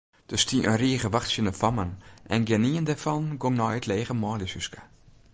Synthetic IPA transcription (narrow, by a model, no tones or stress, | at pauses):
d̥əstiʔənriːəɣəʋaxtsjənəfɔmənʔɛnɡɛniəndɛfɔnɡoŋnɔjətʰleːɣəmɔːlisyskə